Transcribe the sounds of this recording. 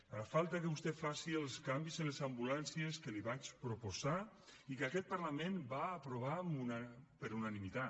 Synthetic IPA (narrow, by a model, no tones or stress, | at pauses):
afalˠt̪akəβust̪ɛfasiəlˠskambizənlezambulansieskeliβat͡ʃpɾopoza | ikakɛt̪̚paɾlamẽnbaːpɾoβ̞amunpəɾunanimit̪a